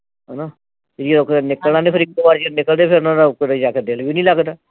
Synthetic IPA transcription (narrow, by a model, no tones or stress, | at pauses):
ɦənãː | d͡ʒiɾokːnɪkəlnãːnẽːpʰəɾik̚t̪oːbaːɾd͡ʒinɪkəld̪eːpʰɪɾnãːd̪akːd̪ed͡ʒaːked̪ɪlbiːnĩːləɡd̪aː